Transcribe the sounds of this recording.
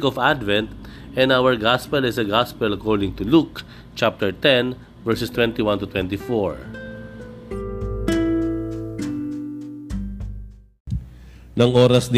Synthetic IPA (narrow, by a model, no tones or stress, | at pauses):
kɔfad̪vɛ̃nt̪ | ɛ̃nawəɹɡaspɛlɪsɐɡaspɛlɐkɔɹd̪ɪ̃ŋt̪ʊluk | t͡ʃap̚t̪ɛɹt̪ɛn | vɛɹsɛst̪wɛ̃nt̪iwãnt̪ʊt̪wɛ̃nt̪ifɔɹ | nɐŋʔoːɾɐsd̪